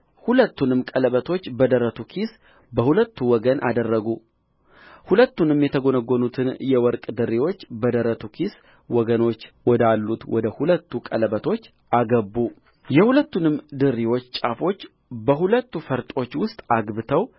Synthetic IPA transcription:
hulət̪ːunɨmkʼələβət̪ʰo̞t͡ʃːbəd̪əɾət̪ʰukʰis | bəhulət̪ːuwɔɡənʔa̰d̪ərːəɡu | hulət̪ːunɨmjɛt̪ʰəɡonəɡːonut̪ʰɨnjɛwɔɾkʼd̪ɨɾːiwo̞t͡ʃːbəd̪əɾət̪ʰukʰis | wɔɡəno̞t͡ʃːwɔd̪alːut̪wɔd̪əhulət̪ːukʼələbət̪ʰo̞t͡ʃː | aɡəbːu | jɛhulət̪ːunɨmd̪ɨɾːiwo̞t͡ʃːt͡ʃʼafo̞t͡ʃː | bəɦulət̪ːufəɾt̪ʼo̞t͡ʃːwʊst̪ʼaɡbɨt̪ʰəw

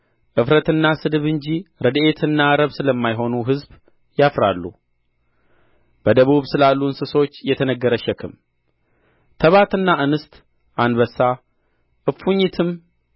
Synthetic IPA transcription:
ʔɨfɾət̪ɨnːasɨd̪ɨβɨɲd͡ʒiɾəd̪e̞t̪ʰɨnːaɾəβsɨləmːajɦo̞nuɦɨzb | jafɾa̰lːṵ | b̥əd̪əβuβsɨlalːuɨnsɨso̞t͡ʃːjɛt̪ʰənəɡːəɾəʃɛkʰɨ̰m | t̪ʰəβat̪ɨnːaʔɨnɨst̪ | ʔanβəsa | ʔɨfːuɲːit̪ʰɨm

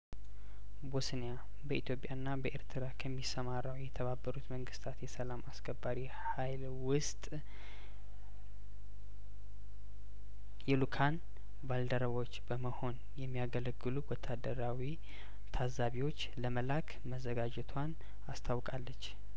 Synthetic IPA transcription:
bosneja | bəit̪ʰjo̞pʼjanːabəʔeɾt̪ʰɨɾakʰəmːisəmarːəwjɛt̪ʰəβabːəɾut̪məŋɡɨst̪ʰat̪jɛsəlamaskʰəbːaɾi | hajl | wʊst̪ʼ | jɛlukʰan | bald̪əɾəβot͡ʃːbəməho̞n | jɛmːijaɡələɡːɨluwɔt̪ʰːad̪əɾawi | t̪ʰazːaβiwo̞t͡ʃːləməlakʰ | məzːəɡad͡ʒɛt̪ʰwan | ast̪ʰawkʼalːət͡ʃː

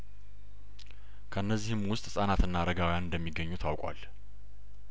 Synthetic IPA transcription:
kʰəɨnːəzːihɨmwʊst̪ʼsʼanat̪ɨnːaɾəɡawjanɨnd̪əmːiɡəɲːut̪ʰawkʷʼwa̰l

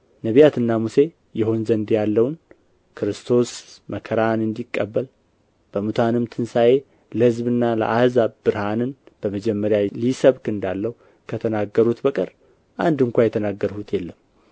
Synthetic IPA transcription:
nəβijat̪ɨnːamuse̞ | jɛho̞nzənd̪jalːəwn | kʰɨɾɨst̪ʰo̞sməkʰəɾanɨnd̪ikʼːəbːəl | b̥əmut̪ʰanɨmt̪ʰɨnsaje̞ | ləhɨzbɨnːalə̰ʔahzaβbɨɾhanɨnb̥əməd͡ʒɛmːəɾjalisəβkɨnd̪alːəhu | kʰət̪ʰənaɡːəɾut̪bəkʼɨɾ | ʔand̪ɨŋkʷajɛt̪ʰənaɡːəɾhut̪ʰjɛlːəm

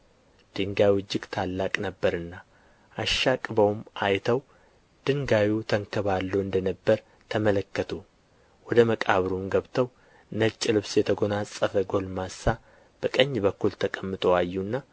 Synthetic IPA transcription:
d̪̥ɨŋɡawɨd͡ʒːɪɡt̪ʰalːakʼnəbːəɾɨnːa | ʔaʃːakʼbəwmajt̪ʰəw | d̪̥ɨŋɡawut̪ʰəŋkʰəβalːuɨnd̪ənəbːəɾ | t̪ʰəmələkːət̪ʰu | wɔd̪əməkʼaβɾumɡəβt̪ʰəw | nət͡ʃʼːlɨβsjɛt̪ʰəɡo̞nasʼəfəɡo̞lmasːa | b̥əkʼəɲːbəkːult̪ʰəkʼəmːɨt̪ʼo̞ajːunːa

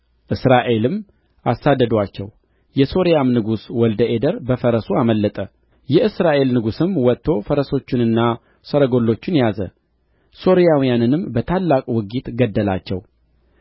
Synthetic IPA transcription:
ʔɨsɾaʔe̞lɨm | ʔasːad̪ːəd̪wat͡ʃːɛ̰w | jɛso̞ɾijamnɨɡuswɔld̪əʔe̞d̪əɾbəfəɾəsuaməlːət̪ʼə | jɛʔɨsɾaʔe̞lnɨɡusɨmwɔt̪ːo̞fəɾəso̞t͡ʃːɪnɨnːa | səɾəɡo̞lːo̞t͡ʃːɪnjazə̰ | so̞ɾijawijanɨnɨmbət̪ʰalːakʼwɨɡit̪ɡəd̪ːəla̰t͡ʃːɛw

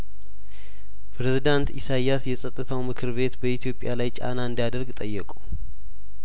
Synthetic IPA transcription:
pʰɾezid̪ant̪isajasjɛsʼət̪ʼːɨt̪ʰawmɨkʰɨɾβe̞t̪bəit̪ʰijo̞pʼjalajt͡ʃʼa̰naɨnd̪ijad̪əɾɡt̪ʼəjːɛkʼu

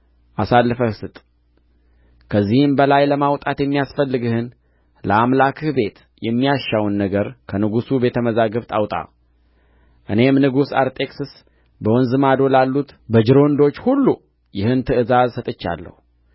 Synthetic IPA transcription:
ʔasalːɨfəhsɨt̪ʼ | kʰəzːihɨmbəlajləmawt̪ʼat̪jɛmːijasfəlːɨɡɨhɨn | ləamlakʰɨhbe̞t̪ | jɛmːijaʃːawnːəɡəɾkʰənɨɡusube̞t̪ʰəməzaɡəβt̪ʼawt̪ʼa̰ | ʔɨne̞mnɨɡusa̰ɾt̪ʼe̞ksɨs | bəwɔnzɨmad̪o̞lalːut̪bəd͡ʒɨɾo̞nd̪o̞t͡ʃːhulːu | jɪhɨnt̪ʰɨʔɨzazsət̪ʼɨt͡ʃːa̰lːə̰hu

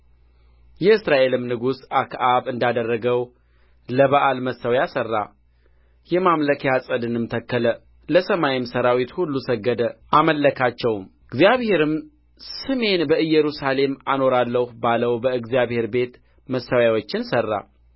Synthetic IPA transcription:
jɛɨsɾaʔe̞lɨmnɨɡusakʰʔaβɨnd̪ad̪ərːəɡəw | ləβaʔalməsəwjasərːa̰ | jɛmamləkʰjasʼəd̪ɨnɨmt̪ʰəkːələ | ləsəmajɪmsəɾawit̪hulːusəɡːəd̪əʔaməlːəkʰat͡ʃːɛwmɨɡzjaβhe̞ɾɨm | sɨme̞nbəɨjɛɾusale̞mano̞ɾalːəhbaləwbəɨɡzijaβhe̞ɾbe̞t̪ | məsawjawot͡ʃːɪnsərːa̰

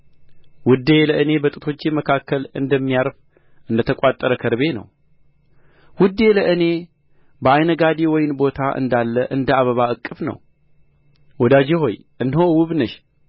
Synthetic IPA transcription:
wʊd̪e̞ləʔɨne̞bət̪ʼɨt̪ʰo̞t͡ʃːeməkʰakːəlɨnd̪əmːijaɾf | ʔɨnd̪ət̪ʰəkʼat̪ʼːəɾəkʰəɾβe̞nə̰w | wʊd̪ːe̞ləʔɨne̞ | bəajnəɡad̪ewɔjɪnbo̞t̪ʰaʔɨ̰nd̪alːəʔɨnd̪əaβəβaɨkʼːɨfnə̰w | wɔd̪ad͡ʒeɦo̞j | ʔɨnːhowʊβnəʃ

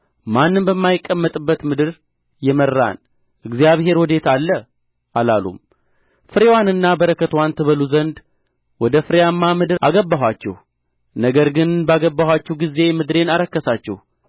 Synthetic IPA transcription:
manːɨmbəmːajɪkʼːəmːət̪ʼɨbːət̪mɨd̪ɨɾ | jɛmərːa̰n | ʔɨɡzijaβɦe̞ɾwɔd̪e̞t̪ʰalːə | ʔalalṵm | fɨɾewanɨnːabəɾəkət̪want̪ʰɨβəluzənd̪ | wɔd̪əfɨɾejamːamɨd̪ɨɾʔa̰ɡəbːaɦwʷat͡ʃːɛ̰h | nəɡəɾɡɨnbaɡəbːahʷwat͡ʃːɛhɡize̞mɨd̪ɾe̞naɾəkːəsat͡ʃːɛ̰h

